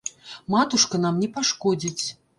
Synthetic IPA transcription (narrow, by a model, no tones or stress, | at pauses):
mat̪uʂkɐnamnʲɛpaʂkɔd͡zʲit͡sʲ